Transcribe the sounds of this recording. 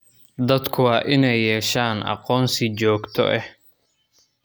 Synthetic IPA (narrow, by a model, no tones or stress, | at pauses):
d̪ɐd̪kʰʊwɑːʔɪnɛjːɛːʃaːnʔɑ̰qɔːnsɪt͡ʃɔːɡt̪ʰɔ̰ʔɛh